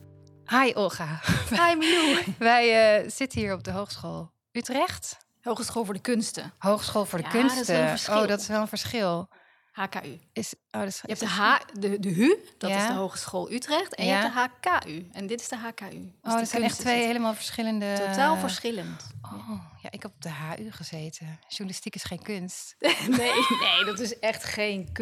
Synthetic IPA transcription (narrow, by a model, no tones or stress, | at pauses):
hajʔɔχaajməjuʋɛjəz̥ɪtənɦiːɹɔp̚dəɦowxχsχo̰ːlˠ | ytrɛχt | ɦowχsχoːlˠvʊːɹdəkɵnstə̰howχsχoːlˠvʊːɹdəkønstəowdɔtɪsʋɛlˠənvəɹsχɪlˠ | haːka̰ːʔyɪsʔoːdɔtjɛdəɦadədəɦyd̥ɪzdəɦowχə̥sχoːlˠʔytrɛχtɛnjɛpdəɦaːkaːʔyɛndɪtɪ̥sdəɦaːkaːʔyoːdɔtsɛjnɛχtʋejɦejləmaːlˠvəɹsχɪləndətotaːlˠvəɹsχɪləntowja̰ʔɪkɦɛpɔb̚dəɦaːʔyχəzejtʰəʒ̥unalɪstikɪsχejnkɵnstnenejdɔtɪsɛχtχejnk